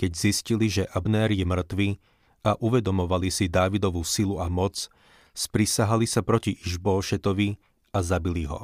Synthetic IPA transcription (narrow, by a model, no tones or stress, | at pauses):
kɛɟzisciliʒɛʔabnɛːɾjɛmr̩t̪ʋi | aʔuʋɛd̪ɔmɔʋalisid̪aːʋid̪ɔʋuːsiluamɔt͡s | spɾisaɦalisapɾɔciʔiʒbɔːʃɛt̪ɔʋi | azabiliɦɔ̰